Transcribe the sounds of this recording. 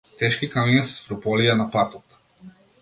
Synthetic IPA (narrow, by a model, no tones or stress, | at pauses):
t̪ɛʃkikaminisst̪ɾupɔlijanapat̪ɔt̪